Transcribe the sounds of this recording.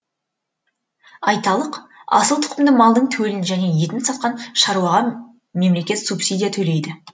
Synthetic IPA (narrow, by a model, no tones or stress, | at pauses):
ɑjt̪ɑlˠəqɑ̰səlˠt̪ʰʊ̥qəmd̪əmɑlˠd̪əɴt̪ʰɵwelɪnʒæne̞je̞t̪ɪnsɑt̪̚qɑnʃɑɾuwɑʁɑ | me̞mle̞kʲe̞t̪supsʲid̪ʲijat̪ʰɵle̞jd̪ɪ